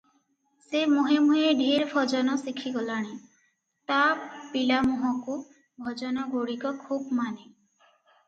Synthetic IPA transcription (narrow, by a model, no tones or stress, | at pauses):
semoɦemueɖʱeɾpʰɔd͡ʒɔnɔsikʰːiɡɔlaɽ̃i | t̪apilamɔɦɔku | bʱɔd͡ʒɔnɔɡoɽikɔkʰubmane